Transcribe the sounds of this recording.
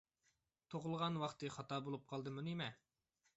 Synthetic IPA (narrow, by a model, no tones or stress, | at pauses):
t̪ʰoʁəlˠʁɑnwɑχt̪ɨχɑt̪ɑːbolˠup̚qʰɑlˠd̪ɨmunimɛ